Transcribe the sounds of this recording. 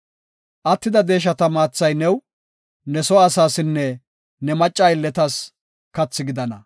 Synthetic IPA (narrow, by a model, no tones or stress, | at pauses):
ʔɐt̪ːɪd̪ɐd̪e̞ːʃ̬ɐt̪ɐmaːt͡sːɐjnɛw | nɛsɔɐsaːsɪnːɛ | nɛmɐt͡ʃʼːɐɪlːɛt̪ɐs | kɐt͡sːɪɡɪd̪ɐnɐ